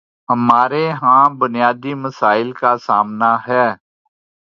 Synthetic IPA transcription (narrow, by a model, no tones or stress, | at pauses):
ɦəmaːɾeɦãːbʊnɪjaːd̪iməsaːɪlkasaːmnaɦɛː